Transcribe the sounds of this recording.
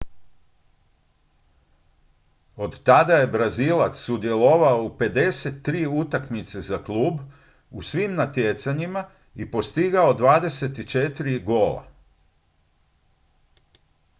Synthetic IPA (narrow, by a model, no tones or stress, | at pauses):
o̞d̪t̪ad̪aje̞bɾaziːlˠat̪sːud̪je̞lo̞ʋaoupe̞d̪e̞se̞t̪ːɾiːut̪akmit̪se̞zaklˠuːb | usʋimnat̪jet̪saɲima | ipo̞st̪iɡaod̪ʋaːd̪e̞se̞t̪it͡ʃe̞t̪iɾiɡo̞ːla̰